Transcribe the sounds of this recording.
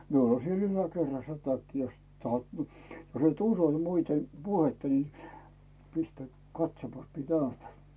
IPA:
miul on siel ylækerːɑsːɑ̥ tɑkːi jost tɑhot ni jos et uso ni muite puhetːɑ ni pistæĭ kɑtsomɑs miĕ næytæ

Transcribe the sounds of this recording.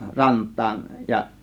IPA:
rɑntˑɑːn jɑ

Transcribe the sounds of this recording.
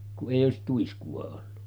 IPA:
kuʔ ʔeˑijˑ oˑesit tuiskuɑ olːu

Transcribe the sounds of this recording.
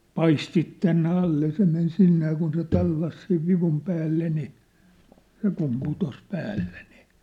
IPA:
pɑistit tænːe ɑlːe jɑ se men sinːe jɑ kun se tɑlːɑs seʋ ʋiʋum pæːlːe ni se kum putos pæːlːe ni

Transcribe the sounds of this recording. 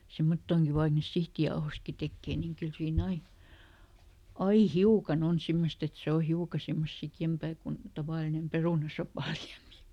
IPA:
semːotːoːŋki ʋɑik niːs sihtijɑohostki tekːeː niːŋ kyl siːn ɑi ɑi hiukɑn on simːost et se o hiukɑ semːos sikjempæː kun tɑʋɑˑlinem peruˑnɑsopɑˑ liæmi

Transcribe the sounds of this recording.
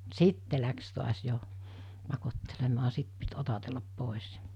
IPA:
sitːe læks tuɑs jo pɑkotːelemɑː sit pit otɑtelːɑp poˑis

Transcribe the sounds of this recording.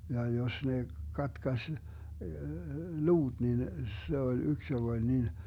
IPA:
jɑ jos ne kɑtkɑsʲ luːd̥ nin se olʲ yks joɡ̊ olʲ nin

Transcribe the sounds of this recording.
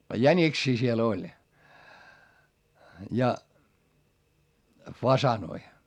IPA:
jænʲiksiː siel olʲ jɑ fɑsɑnoi

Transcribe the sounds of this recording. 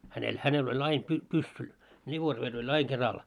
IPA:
hænel hænel olʲ ɑim py pusːu lʲiʋorʋer olʲ ɑi kerɑl

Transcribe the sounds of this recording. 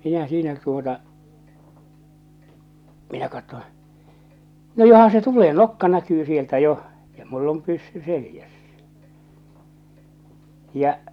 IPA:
minæ siːnæ tuotɑ minæ kɑtːõː no johɑn̞ se tuleː nokːɑ nækyː sieltæ joh jɑ mulː om pysːy selĭjæsːæ̥ jɑ

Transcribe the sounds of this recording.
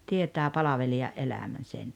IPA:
tietæː pɑlɑʋeliɑʔ ʔelæmæn̞ sen

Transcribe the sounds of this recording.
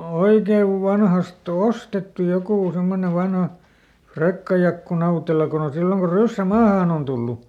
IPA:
oikeʋ ʋɑnhɑst ostetːu jokuˑ semːone ʋɑnhɑ frekːɑjɑkːu nɑutelɑ kon on silːoŋ ko rysːæ mɑːhɑˑn on tulːu

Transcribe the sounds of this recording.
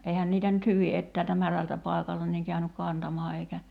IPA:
eihæn niːtæ nyt hyʋi etːæːltæ mæræltæ pɑˑi̞kɑltɑ niːŋ kæynyk kɑntɑmɑː eikæ

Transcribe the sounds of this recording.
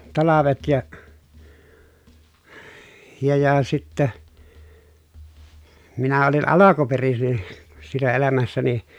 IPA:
tɑlɑʋet jɑ jɑ jɑ sitːæ minæ olin ɑlɑkuperisin siːnæ elæmæsːæni

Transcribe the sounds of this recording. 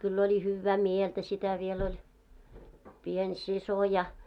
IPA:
kylː olʲi hyːʋːæː mieltæ sitæ ʋiel olʲ pien siso jɑ

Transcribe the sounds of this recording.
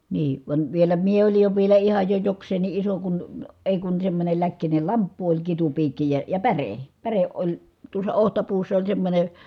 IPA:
niː ʋɑnʲ ʋielæ mie olij jo ʋielæ ihɑj jo joksˑeːnˑi ʔiso kun eˑi kun semːonʲel lækːinel lɑmpːu olʲ kitupiːkːi jɑ jɑ pære pæreʔ ʔolʲ tuosˑɑ ohtɑpuːsːɑ olʲ semːonʲe

